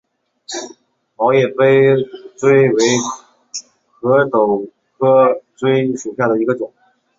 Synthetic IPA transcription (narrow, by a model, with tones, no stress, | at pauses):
mɑ˧˥ʊjɛ˨˩fe˥ɪʈ͡ʂwe˥ɪwe˧˥ɪ | kʰɤ˧˥t̪o˨˩ʊ | kʰɤ˥ʈ͡ʂwe˥ɪʂu˨˩ɕja˥˩d̪ə˩i˧˥ɡə˧ʈ͡ʂʊ˨˩˦ŋ